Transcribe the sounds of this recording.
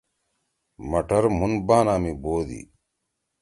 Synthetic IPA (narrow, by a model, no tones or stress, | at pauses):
mɐʈɐɾmunbaːnaːmiboːd̪ḭ